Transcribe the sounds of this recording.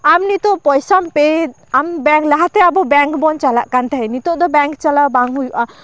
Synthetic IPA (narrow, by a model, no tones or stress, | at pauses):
amnit̪ɔpɔjsampe | ambɛŋklaɦat̪ɛabɔbɛŋkbɔnt͡ʃalaʔkant̪ʰaɦɛnit̪oʔd̪ɔbɛŋkt͡ʃalabaŋɦujuʔa